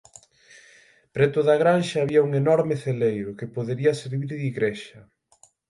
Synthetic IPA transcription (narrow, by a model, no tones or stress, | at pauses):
pɾet̪oðɐaɣɾanʃɐːβiɐuŋenɔɾmɪθelejɾʊkɪpoðeɾiɐseɾβiɾðiɣɾeʃɐ